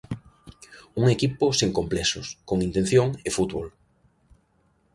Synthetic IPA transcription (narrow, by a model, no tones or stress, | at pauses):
uŋekipʊseŋkomplɛsʊskoŋint̪ẽn̟θjoŋefut̪βol